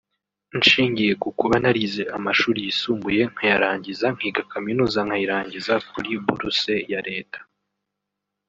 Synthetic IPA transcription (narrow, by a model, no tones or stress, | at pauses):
nʃiːɲɟije̞kukuβanaɾize̞ʔamaʃuːɾijisuːmbuje̞ŋ̥hajaɾaːɲɟizaŋ̥hiːɡakʰaminuːzaŋ̥hajiɾaːɲɟizak̚uɾibuɾuse̞jaɾe̞ːtḁ